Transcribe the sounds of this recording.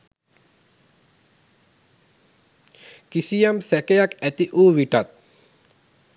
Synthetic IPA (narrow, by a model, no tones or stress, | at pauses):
kisijamsɛkejakæt̪iʔuːʋiʈat̪̚